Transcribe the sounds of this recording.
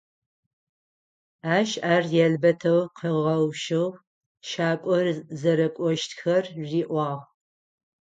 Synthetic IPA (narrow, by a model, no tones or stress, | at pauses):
aːʃaːrjɛɮbɐtʰɐwqʰəʁɐwʃɨw | ʃaːkʷʼɔrzɐɾɐkʷʼɔʃtxɐrʒiːʔʷɑːʁ